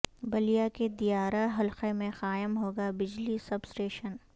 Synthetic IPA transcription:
bɐlijaked̪ijaːɾaɦɐlqemẽxaːɪmɦoːɡabɪd͡ʒlisɐbsʈeːʃən

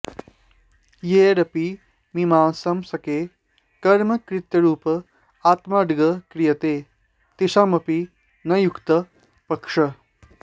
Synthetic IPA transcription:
jeːɾɐpi | mimãːsɐmsɐkeː | kɐɾmɐkɾit̪ɐɾuːp | at̪maɖɡəkɾijɐt̪e | t̪iʃamɐpi | nɐjukt̪ə | pɐkʂɐ

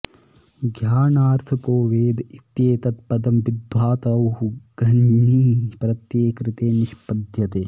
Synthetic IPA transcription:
ɡʱjaːnaːɾt̪ʰɐpoːʋeːd̪it̪jeːt̪ɐt̪pɐd̪ɐmʋid̪waːt̪ɐwhuɡɐɳɳiːpɾɐt̪jeːkɾɪt̪eːniʃpɐd̪ʱjɐt̪eː

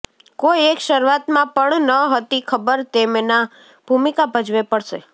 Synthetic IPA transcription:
koiekʃəɾuʋat̪mãpəɳnəɦət̪ikʰəbəɾt̪emna | b̥ʱumikabʱəd͡ʒʋepəɽʃe

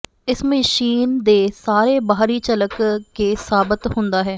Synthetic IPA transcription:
ɪsməʃiːnd̪eːsaːɾeːbaːɦɾiːt͡ʃələkkeːsaːbɪt̪hʊ̃nd̪aːɦɛː

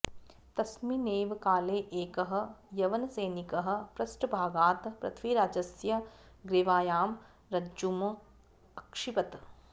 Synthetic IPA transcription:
t̪ɐsmineːʋkaːleːʔeːkɐɦɐ̆jɐʋɐnɐseːnikɐɦɐ̆pɾɐsʈbʱaːɡaːt̪pɾɐ̰t̪ʰʋiɾaːd͡ʒɐsjɐ | ɡɾeːʋaːjaːm | ɾɐum | ɐkʂipɐt̪

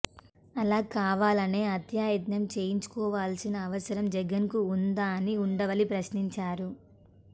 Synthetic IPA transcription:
ɐlaːkaːʋaːlɐne̞ːɐt̪jaːjɐd̪nɐmt͡ʃe̞ːjiɲt͡ʃu̥kɔːʋaːlsinɐːʋɐsɐɾɐmd͡ʒɛɡɐnkuːnd̪aːniuɳɖɐʋɐlipɾɐʃniɲt͡ʃaːɾu

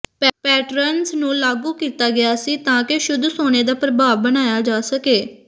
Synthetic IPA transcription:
ppɛːʈɾənsnũːlaːɡuːkiːt̪aːɡɪjaːsiːt̪ãːkɪʃʊd̪ʱːsoːñeːd̪aːpɾəbaːʋbənaːjaːd͡ʒaːsəkeː

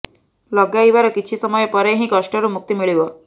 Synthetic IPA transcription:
ləɡjaiʋaɾəkit͡ɕʰisəməjpəɾeɦĩkəʂʈəɾumuk̚t̪imiɭiʋə

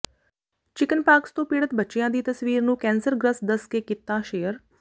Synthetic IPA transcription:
t͡ʃɪkənpaːkst̪õːpiːɽət̪bətːʃɪjãːd̪iːt̪əsʋiːɾnũːkɛ̃ːnsəɾɡɾəsd̪əskekɪt̪ːaːʃeːəɾ

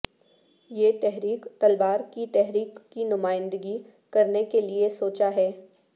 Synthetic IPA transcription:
jeːt̪ɛɦɾiːkt̪ɐlbaːɾkit̪ɛɦɾiːkːinʊmaːɪ̃nd̪əɡi | kɐɾnekeliesoːt͡ʃaɦɛː

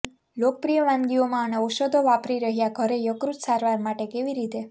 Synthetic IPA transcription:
lok̚pɾijəʋãmɡiomãəneɔʃod̪ʱoʋapɾiɾəɦjaɡʱəɾejəkɾut̪saɾʋaɾmaʈekeʋiɾit̪e

